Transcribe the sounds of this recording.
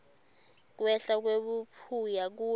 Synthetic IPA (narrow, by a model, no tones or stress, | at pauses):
k̬wɛɬak̬weɓupʰujak̬uː